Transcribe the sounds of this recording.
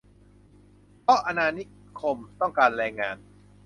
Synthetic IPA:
pʰɔ˦˥ʔa˧naː˧ni˦˥ | kʰo˧mt̪ɔ˥˩ŋkaː˧nɾɛː˧ŋaː˧n

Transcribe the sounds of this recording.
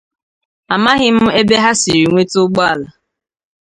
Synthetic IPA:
a˨ma˦ɣɪ˦m̩˦e˦be˦ɦa˦si˨ɾi˨ŋʷe˦tʊ˦ɡ͡bɔ˦a˨la˨

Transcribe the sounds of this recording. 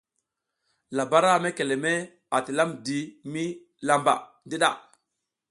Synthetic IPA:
la˨ba˦ɾa˦˨me˦ke˨le˨me˦ | a˨ti˨la˦mdi˨mi˦ | la˨mba̰˨ | di˦ɗa̰˨

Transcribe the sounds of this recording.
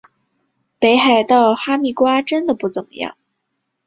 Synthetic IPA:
pe˧˥ɪxa˨˩ɪd̪ə˧xwa˥mi˧˥˩kwa˥ʈ͡ʂə˥nd̪ə˨pu˥˩t͡sʊ˨˩ŋjɑ̰˥˩ŋ

